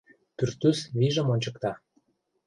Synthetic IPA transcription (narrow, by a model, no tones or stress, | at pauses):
pyrt̪ysβiʒə̆monʲt͡ɕəkt̪ɑ